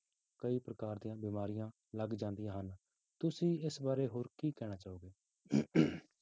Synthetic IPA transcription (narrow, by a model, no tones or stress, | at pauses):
kəiːpɾəkaːɾd̪ijãːbiːmaːɾɪjãː | ləɡd͡ʒãːnd̪ɪjãːɦən | t̪ʊsĩːɪsbaːɾeːɦoːɾkiːkɛːɽ̃aːt͡ʃaːoːɡeː